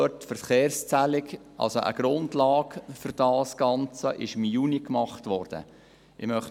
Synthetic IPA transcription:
øtːfəɾχeːrst͡sælɪkʔɑ̰lsoʔə̰ɡ̥ɾʊndlɑːɡfʏɾd̥ɑːsɡ̥ɑnt͡səʔɪʃɪmjuːnikmɑχtʋɔːɾd̥ə̰ | ɪmœχ

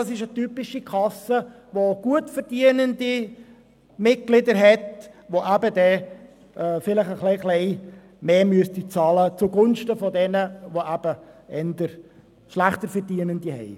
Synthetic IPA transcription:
ɑsɪʃətypɪʃikʰɑsə | ʋoɡ̥uətfəɾd̥iənəndi | mɪt̚ɡ̥lɪdəɾɦɛtʋoʔæbədɛ | ʔɛfɪləχəχlɛɪχlɛɪ | meːmyəstit͡sɑːlət͡suɡʊnʃtəfɔdɛnəʋoʔæb̥əɛnd̪əɾ | ʃlæχtəɾfɛɾdiənənd̥ihɛ̰ɪ

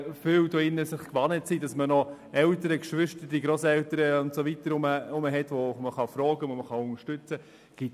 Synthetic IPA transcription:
fʏːwdoɪnːəsɪχkʋɑnətsiːdɑsmənɔ | ɛltəɾəkʃʋʏʃtəd̥iɡɾoːsɛlwtəɾəʊntsovitəɾʊməʊməɦɛtʋɔməχɑfɾɔːɡəʋoməχɑʊŋəʃtʏt͡sə | ɡ̥ɪt

